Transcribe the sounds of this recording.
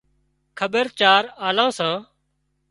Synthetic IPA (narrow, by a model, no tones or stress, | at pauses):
kʰəbəɾt͡ʃaːɾaːlãːsãː